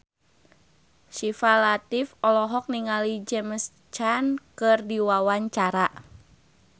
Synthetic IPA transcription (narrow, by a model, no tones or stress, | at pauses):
ʃifalat̪ifɔlɔɦɔk̚niŋalid͡ʒɛməs | t͡ʃankɨrdiwawaɲt͡ʃaɾa